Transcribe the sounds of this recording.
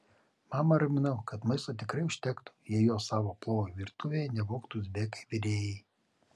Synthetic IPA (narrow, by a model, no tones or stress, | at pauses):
mɑːmɐɾɐmʲɪnɐʊkɐt̪mɐɪst̪oːt̪ʲɪkɾɐɪʊʃʲt̪ʲɛkt̪u̥ːjɛjoːsɑːʋoːplˠoːʋoʋʲiɾt̪ʊʋʲeːjɛnʲɛʋoːkt̪usʲbʲeːkɐɪʋʲɪɾʲeːjɛɪ